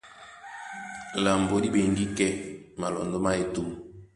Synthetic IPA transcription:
la˨mbo˨˦di˦be˨ŋɡi˦kɛ˦ma˨lɔ̰˨ndo˦ma˦e˨tu˦m

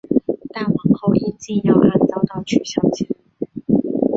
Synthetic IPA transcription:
t̪a˥˩nwɑ˨˩ŋxo˥˧ʊi˥˩nt͡ɕi˥˧jɑ˥˧ʊʔa˥˩nt͡sɑ˥˩ʊt̪ɑ˥˩ʊt͡ɕʰy˨˩ɕjɑ˥˧ʊt͡ɕʰɛ˨˧˩n

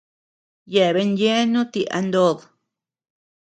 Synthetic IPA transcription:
je˨βe˧nje˦nũ˦t̪i˧ʔa̰˧nd̪o˧ð

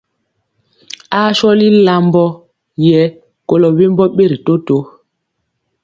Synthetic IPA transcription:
a˦ʃɔ˦li˦la˨mbɔ˦ | jɛ˨˦ | ko˨lɔ˨we˦mbɔ˦ɓe˦ɾi˨to˦to˨˦

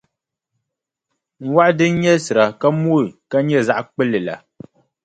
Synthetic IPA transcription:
ŋ̩˦wa˦ʔdɨ˦ɲɛ˦sɨ˨ɾa˨ka˦mo˦˨ka˦ɲɛ˦˨za˦˨ʔk͡pɛ˦lɛ˨la̰˨

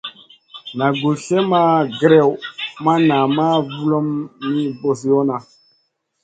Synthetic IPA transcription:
na˨ɡu˨ɬɛ˦ma˦ɡɾɛ˦˨wma˦na˨ma˦vu˦lɔ˦mːi˦bo˨s̬jɔ˦na˨

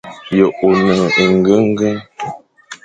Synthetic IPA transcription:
jə˨ʔo˨nə˨ə˨ŋ˦ɡə˦ŋ˦ɡə˦ŋ

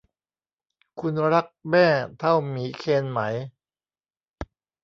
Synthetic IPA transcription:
kʰu˧nɾa˦˥k̚mɛː˥˩t̪ʰa˥˩wmiː˩˦kʰeː˧nma˩˦j

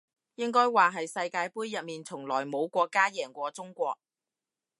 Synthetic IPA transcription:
jɪ˥ŋkɔː˥jwaː˨ɦɐ˨jsɐ˧jkaː˧jpuː˥jːɐ˨t̚miː˨nt͡sʰʊ˨˩ŋlɔː˨˩jmo˨˧wkʷɔː˧kːaː˥jɛː˨˩ŋkʷɔː˧t͡sʊ˥ŋkʷɔː˧k̚

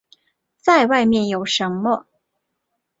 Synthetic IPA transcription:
t͡sa˥˧ɪwa˥˧ɪmjɛ˥˩njo˨˩ʊʂə˧˥nmə˧

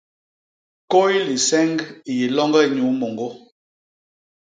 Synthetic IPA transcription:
ko˦jli˨sɛ˦ŋɡi˨ji˨lɔ˦ŋɡɛ˦i˨ɲu˨˦mo˨ŋɡo˦

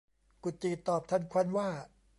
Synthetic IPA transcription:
ku˨˩t̪̚t͡ɕːiː˨˩t̪ɔː˨˩p̚t̪ʰa˧˥˩nkʰa˧˥˧nwaː˥˩

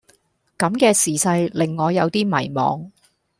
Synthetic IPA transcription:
kɐ˨˧˥mkɛː˧siː˨˩sɐ˧jlɪ˨ŋːɔː˨˧jɐ˨˧wt̪iː˥mɐ̰˨˩jmɔ̰ː˨˧ŋ

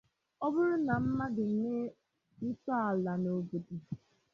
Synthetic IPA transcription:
ɔ˦bʊ˦ɾʊ˦na˨m̩˦ma˦dɪ˨ne˦ | sɔ˦a˨la˨no˨bo˨di˨

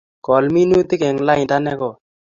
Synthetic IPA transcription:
kɔ˨lmi˦nu˦t̪ɪ˦kɛ˨ŋla˦ɪ˨nta˦nɛ˦kɔ˨

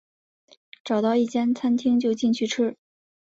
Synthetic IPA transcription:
ʈ͡ʂɑ˨˩ʊt̪ɑ˥˧ʊi˥˩t͡ɕjɛ˥nt͡sʰa˥nt̪ʰi˥ŋt͡ɕjo˥˧ʊt͡ɕi˥˧nt͡ɕʰy˥˩ʈ͡ʂ̩ʰ˥

